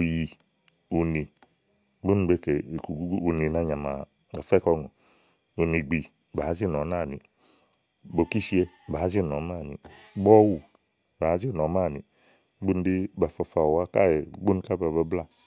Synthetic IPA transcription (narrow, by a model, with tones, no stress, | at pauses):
u˨ji˨ | u˨ni˨ | ɡ͡bu˦n˦be˦˨ke˨ku˨ɡu˦ɡu˦u˨ni˨na˨ɲa˨ma̰˨ | a˨fɛ˦kɔ˧ŋɔ˨ | u˨ni˨ɡ͡bi˨ | ba˨˦d͡ʒi˦n˨ɔ˨˦na˦˨ni˨ | bo˨ki˦ʃi˦e˦˨ba˨˦d͡ʒi˦˨nɔ˨˦ma˦˨nḭ˨˦ | ɡ͡bɔ˦wu˨ | ba˨˦d͡ʒi˦˨nɔ˨˦ma˦˨ni˨˦ | ɡ͡bu˦n˦di˦ba˨fa˨fa˨wa˦ka̰˦jɛ˨˦ɡ͡bu˦n˦ka˦ba˨ba˦bla˦